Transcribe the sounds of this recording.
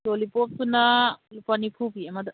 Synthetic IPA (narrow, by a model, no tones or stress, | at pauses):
tolipɔp̚tunalupanipʰupiemad̪